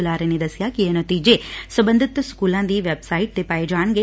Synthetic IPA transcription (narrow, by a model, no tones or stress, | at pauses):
ulaːɾenid̪ɐsjaːkijenot̪iːd͡ʒesɐbɐnd̪ʱit̪ːɐskuːlaːnd̪iʋebsajiʈ̚d̪epaːjed͡ʒaːɳɡe